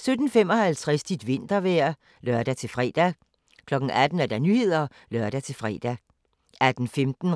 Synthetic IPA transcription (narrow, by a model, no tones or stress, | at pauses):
sød̥n̩femɒ̽hælt͡sʰʁasd̥id̥ʋe̝n̰d̥ɐʋæɐ̰ | lɶɐ̰d̥æt͡sʰe̝lfʁɛ̰ːd̥æ | kʰlɒ̽ɡ̥n̩æd̥n̩æɐd̥æ̈nyhe̝ð̞̰ˠɐ | lɶɐd̥æt͡sʰe̝lfʁɛ̰ːd̥æ | æd̥n̩femd̥n̩